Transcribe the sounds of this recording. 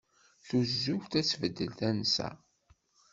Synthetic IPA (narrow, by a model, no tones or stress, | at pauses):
θuzːuçt̪æt͡sːvəd̪ːəlθænsæ̰